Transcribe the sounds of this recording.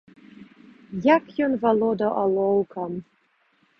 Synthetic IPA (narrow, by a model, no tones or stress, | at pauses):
jakʰjonvalˠod̪aʔalˠowkʰam